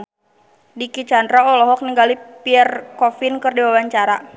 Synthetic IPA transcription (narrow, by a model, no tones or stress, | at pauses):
dikit͡ʃandɾaɔlɔɦɔk̚niŋɡalipiɛrkɔfinkɨrdiwawaɲt͡ʃaɾa